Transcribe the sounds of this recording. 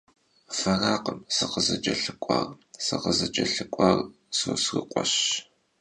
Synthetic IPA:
fɐraːqəmsɨqəzɐt͡ʃʼɐɬɨkʷʼa̰rsɨqəzɐt͡ʃʼɐɬɨkʷʼɑr | soːsrɨqʷʼɔɕ

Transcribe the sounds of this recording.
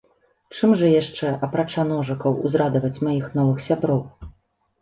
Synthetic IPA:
t͡ʂɨmʐɐjaʂt͡ʂɛʔɐpɾat͡ʂanɔʐɐkɐwṵzɾad̪ɐvɐt͡sʲmajixn̪ɔvɨxsʲabɾɔw

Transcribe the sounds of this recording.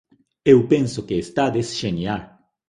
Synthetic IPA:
ewpẽnsokeːst̪ad̪esʃenjal

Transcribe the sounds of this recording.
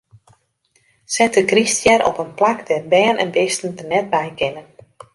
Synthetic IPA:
sɛtəkristjɛɾʔɔ̰pənplakdɛrbɛːnɛ̰nʋɪstn̩tənɛt̚bɛjkɪnən

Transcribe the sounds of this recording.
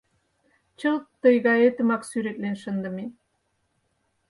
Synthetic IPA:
t͡ɕəlt̪ːə̆jɣɑet̪ə̆mɑksyɾet̪lenʃə̆nd̪ə̆me

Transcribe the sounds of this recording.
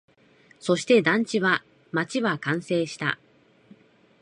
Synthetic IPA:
so̞ɕi̥t̪e̞d̪ãɲ̟t͡ɕiβa | mat͡ɕiβakãɰ̃se̞ːɕi̥t̪a̰

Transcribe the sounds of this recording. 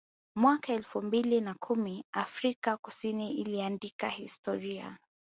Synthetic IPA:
mwakaɛlfumbilinakʰumiafɾikakusiniiliandikahistɔɾia̰

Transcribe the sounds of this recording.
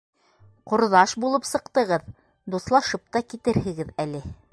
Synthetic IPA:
qŏɾðɑʃbulˠɤpsɤ̆qt̪ɤ̆ʁɤð | d̪uθlˠɑʃɤp̚t̪ɑkit̪ɘɾhɘ̆ɡɘðælɘ

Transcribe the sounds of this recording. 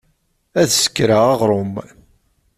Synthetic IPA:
æðsə̥kːɾaɑʁɾˤom

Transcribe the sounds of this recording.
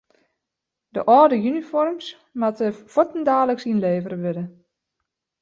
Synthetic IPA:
də̰ʔɔːdəjynifɔrms | matəfɔtn̩daːləksinleːvəɾəʋɪdə

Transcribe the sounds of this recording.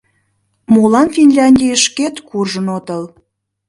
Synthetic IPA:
molɑnfinlʲɑnʲdʲijəʃket̪kurʒənot̪əl

